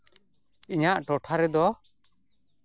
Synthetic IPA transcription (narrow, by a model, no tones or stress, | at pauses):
iɲaʔʈɔʈʰaɾɛd̪ɔ